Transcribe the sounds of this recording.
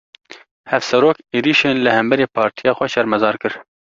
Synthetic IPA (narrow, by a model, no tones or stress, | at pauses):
hɛfsɛɾoːkeːɾiːʃeːnlɨhɛmbɛɾeːpʰɑːɾt̪ʰijɑːxʷɛʃɛɾmɛzɑːɾkɨɾ